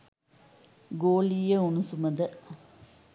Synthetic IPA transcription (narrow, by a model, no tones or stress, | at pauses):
ɡoːliːəunusuməd̪ə